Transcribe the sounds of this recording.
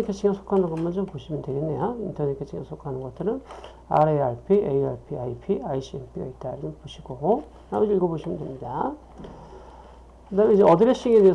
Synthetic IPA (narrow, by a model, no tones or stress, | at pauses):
ekʰet͡ɕʰiŋɡasʰo̥kʰanɯnɡʌmand͡ʑompoɕʰimɯntweɾinːḛjointʰʌnekʰet͡ɕʰiŋɡa̰sʰokʰanɯnɡʌt͈ɯɾɯn | a̰ɾeaɾpʰiḛjaɭpʰiaipʰiaiɕʰienpʰiɡa̰it̚t͈aiɾʌnɯnpoɕʰiɡoɡo | namuiɭɡoboɕʰimɯndwemɲida | kɯdamid͡ʑeʌdɯɾeɕ͈iɡedee